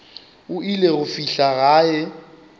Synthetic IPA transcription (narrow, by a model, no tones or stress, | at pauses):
ʊileɣʊfiɬaɣaːɪ